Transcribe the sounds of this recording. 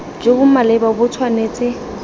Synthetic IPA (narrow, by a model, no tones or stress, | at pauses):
d͡ʒebʊmalɛbabʊt͡sʰwaneːt͡sʼɪ